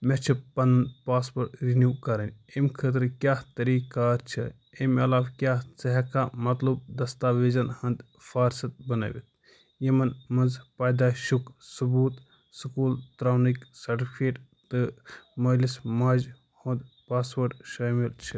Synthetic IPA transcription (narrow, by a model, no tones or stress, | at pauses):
met͡ʃʰipɐnɐnd̪paːspoːɾʈɾinjuːkɐɾɐnʲemkʰət̪ɾkjaːt̪ɐɾiːkaːɾt͡ʃʰi | emɐlaːʋkʲjaːsɐɦɐkaːmɐt̪lub̚d̪ɐst̪aːʋeːzɐnhɐnd̪ | fʰaːɾsɐt̪̚bɐna̰ʋḭt̪̚ | jimɐnmɐnzpaːjd̪aːʃuksubuːt̪ | sɨkuːlt̪ɾaːniksɐɾʈipʰkeːʈ | t̪ɨmɐlismaːd͡ʒ | hõnd̪paːspəɾʈʃaːmilt͡ʃʰi